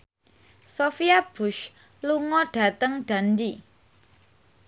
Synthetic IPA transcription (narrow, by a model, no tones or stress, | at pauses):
sofiab̥ʊʃ | luŋɔɖ̥ä̤t̪əŋɖ̥a̤ndi